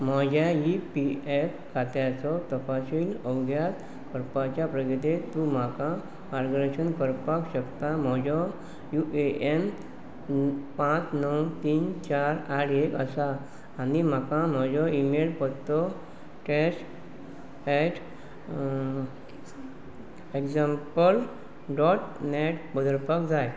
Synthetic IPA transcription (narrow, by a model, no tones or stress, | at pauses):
m̤ad͡ʑʱajipiepkʰat̪jat͡sɔt̪əpaɕiːnəwɡjat | kəɾpat͡ɕjapɾəɡəd̪et̪ːũm̤akã | maɾɡɾəɕənkəɾpakɕəkt̪am̤ɔd͡ʑɔ | juʔeʔem | pãt͡snɔwt̪iːnt͡ɕaɾaʈekə̰saː | nim̤akãm̤əd͡ʑɔimelpəɾt̪ɔ | ʈɛsʈ | ɛʈʰ | ekd͡zampəl | ɖɔʈneʈbəd̪əɾpakd͡zaj